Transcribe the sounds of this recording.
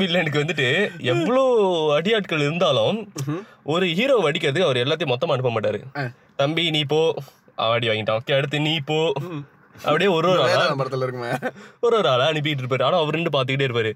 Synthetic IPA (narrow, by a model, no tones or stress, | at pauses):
ɪlːɐɛnɯkːɯʋɐnd̪ɯʈːɯɛpːɐɭoːɐɽɪjaːʈkɐɭɪɾɯnd̪aːlʊ̃ | ʔɔɾɯɦiːɾoːʋɐɽɪkːɪɾɐðɯkːɯɐʋɐɾɛlːaːt̪ɪjʊ̃mɔt̪ːɐmaːɐɳɯpːɐmaːʈːaːɾɯ̰ | t̪ɐmbiniːp̬ːoː | ʔa̰ɐɽɪʋaːŋɡɪʈːãːɔkːeɐɽɯt̪ːɯniːpːoː | ʔɐ̰pɐɽɪjeːɔɾoːɾaːlaːpɐɽɐt̪ːɯlɪɾɯkːmɔɾoːɾaːlaːɐnɪp̬ɪkːɪʈ̬ːɪɾɯp̬ːaːɾɯaːnaːɐʋɐɾɪɳɖɯp̬aːɾt̪̬ɯkːɪʈ̬ːeːɪɾɯpːaːɾɯ